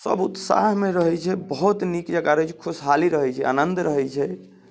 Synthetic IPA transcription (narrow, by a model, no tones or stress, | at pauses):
sə̰but̪sa̰ɦmeɾəɦɛt͡ʃʰɛbəɦut̪nikd͡ʒəɡaɾəɦɛt͡ʃʰɛkʰusɦaliɾəɦɛt͡ʃʰɛa̰nənd̪ɾəɦɛt͡ʃʰɛ